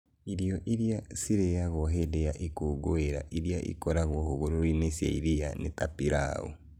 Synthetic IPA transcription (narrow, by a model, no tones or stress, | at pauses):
iɾiɔʔiɾjasiɾeaɣɔɦedejaʔikoːɡoeɾa̰ʔiɾijaʔḭkɔɾaɣwɔhoɣoɾoɾinesja̰iɾianḛtapiɾa̰o̰